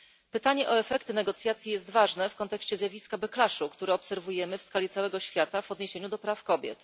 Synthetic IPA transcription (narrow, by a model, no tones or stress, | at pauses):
pɘt̪aɲɛʔɔɛfɛkt̪ɘnɛɡɔt̪sjat̪sʲjijɛst̪vaʐnɛfkɔnt̪ɛkɕt͡ɕɛzʲjavʲiskabɛklaʂukt̪uɾɛɔpsɛɾvujɛmɘfskalʲit̪sawɛɡɔɕfʲjat̪avɔd̪ɲeɕeɲud̪ɔpɾafkɔbʲjɛ̰t̪